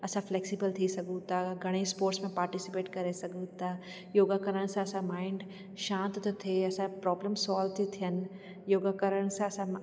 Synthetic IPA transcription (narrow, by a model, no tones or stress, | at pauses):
ɐsãfleːksibəlt̪ʰisɐɡut̪aɡʱɐɽ̃espoːɾʈsmẽpaːɾʈisɪpeːʈkɐɾesɐɡut̪ʰa | joːɡakəɾəɽ̃sãɐsãmaːɪɳɖ | ʃãːnt̪t̪ot̪ʰeɐsãpɾɔːbləmsɔːlʋt̪ʰit̪ʰijən | joːɡakəɾəɽ̃sãɐsã